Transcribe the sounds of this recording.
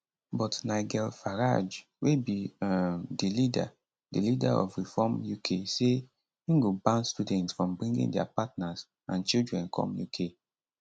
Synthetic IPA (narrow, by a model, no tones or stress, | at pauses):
bɔtnaɪɡɛlfaɹa̰d͡ʒ | webiamdilida̰ | dilidaɔ̰fɹifɔmjukʰese | ĩŋɡobãnstudɛ̃ntsfɹɔ̃mbɹĩŋɡḭ̃ŋdɛa̰patnaz | ãnt͡ʃildɹɛ̃nkʰɔ̰̃mjukʰe